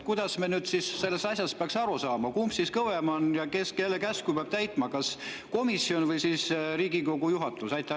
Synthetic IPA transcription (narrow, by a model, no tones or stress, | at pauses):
kujd̪̥ɑsmenyːd̪sisːe̞lːest̪ɑsʲjɑspeɑksɑɾusɑːmɑkumpsiskɤwemɑnjɑkeske̞lːekæskupeɑb̥̚t̪æjt̪ːˑmɑkɑs | ko̞misːio̞nvɤjsiːsɾiːɡiko̞ɡ̥ujuɦɑt̪ˑusɑjt̪ːˑɑ